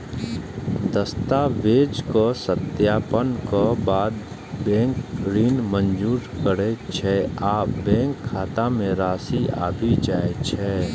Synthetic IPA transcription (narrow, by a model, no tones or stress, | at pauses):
d̪əst̪aʋeːd͡ʒkosət̪jaːpənkəbaːd̪ | bɛ̃ːŋkɾiːnmə̃nd͡ʒuːɾkəɾet͡ʃʰɛaːpbɛ̃ːŋkʰːaːt̪amẽɾaːsia̰ːbʱid͡ʒaːet͡ʃʰɛː